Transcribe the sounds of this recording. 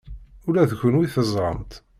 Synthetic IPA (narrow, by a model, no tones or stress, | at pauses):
ʊlæðçʷənwiθəzˤɾˤə̰mt̪